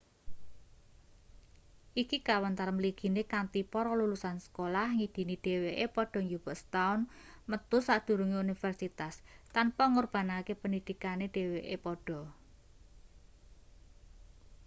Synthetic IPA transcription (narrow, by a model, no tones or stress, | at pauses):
ʔikikawant̪aɾəmliɡ̥i̤nekant̪ipɔɾɔlulusansə̥kolahŋid̪̥i̤niɖ̥e̤weʔepɔɖ̥ɔ̤ŋd͡ʒub̥ɔ̤st̪aʊnmət̪ʊsad̪̥ṳɾuŋeunifərsit̪ast̪anpɔŋorb̥a̤nakepənid̪̥i̤kaneɖ̥e̤weʔepɔɖ̥ɔ̤